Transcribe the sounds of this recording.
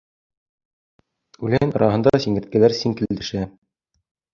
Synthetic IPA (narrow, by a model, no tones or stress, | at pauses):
ʉlæn̆ɾɑɦɤ̆nd̪ɑsiŋɘ̆ɾt̪̚kæ̆læɾsiŋkɘ̆ld̪ɘ̆ʃæ